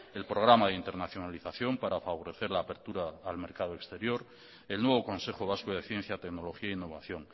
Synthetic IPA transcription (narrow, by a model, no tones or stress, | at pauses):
e̞lpɾo̞ɣɾamað̞int̪e̞ɾnaθjo̞naliθaθjo̞mpaɾafaβo̞ɾe̞θe̞ɾlaːpe̞ɾt̪uɾaːlme̞ɾkaðoekst̪e̞ɾjo̞ɾ | e̞lnwe̞β̞o̞ko̞nse̞xoβ̞askoðe̞θje̞n̟θjat̪e̞kno̞lo̞xiainːo̞β̞aθjo̞ŋ